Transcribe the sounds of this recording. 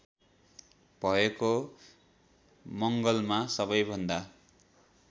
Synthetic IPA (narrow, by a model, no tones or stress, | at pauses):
b̥ʱʌeko | mʌŋɡʌlmasʌbʌjbʱʌnd̪a